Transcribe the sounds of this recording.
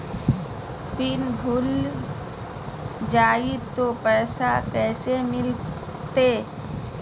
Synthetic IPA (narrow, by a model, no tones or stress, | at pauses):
pɪnbʱʊl | d͡ʒaːit̪opɛːsakɛːsemɪl | t̪e